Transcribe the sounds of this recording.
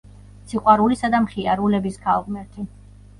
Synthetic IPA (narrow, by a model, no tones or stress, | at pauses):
t̪sʰiqʼwaɾulisad̪amχiaɾulɛbiskʰalˠʁmɛɾt̪ʰi